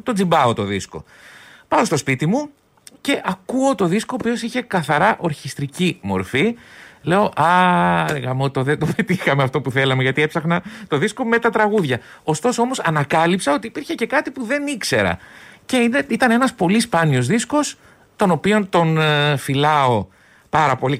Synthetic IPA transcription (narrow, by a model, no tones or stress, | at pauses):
t̪o̞d͡zimbɐot̪o̞ðisko̞̰ | pɐost̪o̞spit̪imu | ce̞ʔɐkuo̞t̪o̞ðiskoːpio̞siçe̞kɐθɐɾɐʔo̞ɾçist̪ɾicimo̞̰ɾfile̞o̞ʔɐeɣɐmot̪oðed̪opet̪ixɐmeɐft̪o̞puθe̞lɐmeʝɐt̪iepsɐxnɐt̪o̞ðisko̞me̞t̪ɐt̪ɾɐɣuðʝɐ | o̞st̪o̞soo̞mo̞sɐnɐkɐlipsɐo̞t̪iːpiɾçe̞ce̞kɐt̪ipuðe̞nikse̞ɾɐ̰ce̞ineit̪ɐne̞nɐspo̞lispɐnio̞zðisko̞s | t̪o̞no̞pio̞nt̪o̞nfilɐo̞ | pɐɾɐpo̞li